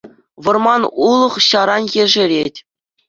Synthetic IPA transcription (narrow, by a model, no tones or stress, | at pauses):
ʋɤ̆rmɑnulˠɤ̆χɕɑɾɑnjeʐɘ̆ɾʲetʲ